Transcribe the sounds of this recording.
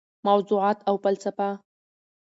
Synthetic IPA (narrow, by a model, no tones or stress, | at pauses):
mawzuʕɑt̪awpəlt͡sapa